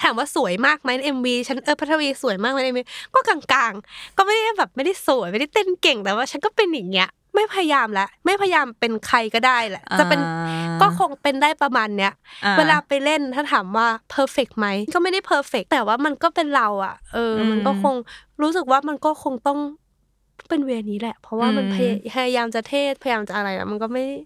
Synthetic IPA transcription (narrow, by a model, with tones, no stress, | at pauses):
t̪ʰaː˩˦mwaː˥˩su˨˩˦jmaː˥˩k̚ma˦˥jn˧˩ʔe˧mwiː˧t͡ɕʰa˦˥nʔɤː˧˩pʰa˦˥t̪ʰa˧wiː˧su˨˩˦jmaː˥˩k̚ma˦˥ʔe˧mwiː˧kɔː˥˩ka˧ŋkaː˧ŋkɔː˥˩ma˥˩da˥˩˥bɛː˨˩p̚ma˥˩jda˥˩jsu˨˩˦jma˥˩da˥˩jt̪e˧˥˩nke˨˩ŋt̪ɛː˨˩waː˥˩t͡ɕʰa˦˥nkɔː˥˩pe˧njaː˨˩ŋːi˦˥ɐ | ma˥˩jpʰa˧ja˧jaː˧mlɛ˦˥ʔma˥˩jpʰa˧ja˧jaː˧mpe˧nkʰa˧jkɔː˥˩daː˥˩jlɛ˨˩˦ʔt͡ɕa˨˩pe˧nkɔː˥˩kʰo˧ŋpe˧ndaː˥˩jpɾa˧maː˧nːi˦˥ɐweː˧laː˧pa˧jle˥˩nt̪ʰaː˥˩t̪ʰaː˩˦mwaː˥˩pʰɤː˧fe˨˩k̚ma˦˥jnkɔː˥˩ma˥˩jda˥˩pʰɤː˧fe˨˩k̚t̪ɛː˨˩waː˥˩ma˧nkɔː˥˩pe˧nɾa˧wʔa̰˨˩ʔɤː˧ma˧nkɔː˥˩kʰo˧ŋɾuː˦˥sɯ˨˩k̚waː˥˩ma˧nkɔː˥˩kʰo˧ŋt̪ɔ˥˩ŋ | pe˧nwi˧niː˦˥lɛ˨˩pʰɾɔ˦˥waː˥˩ma˧npʰa˧ja˧pʰa˧jaː˧jaː˧mt͡ɕa˨˩t̪ʰeː˥˩t̪̚pʰa˧ja˧jaː˧mt͡ɕa˨˩ʔa˧ɾa˧jlɛ̰˧˥˩ma˧nkɔː˥˩ma˥˩jda˥˩j